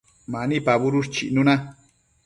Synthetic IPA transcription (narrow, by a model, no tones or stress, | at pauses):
manipaβuɾust͡ʃiʔnuna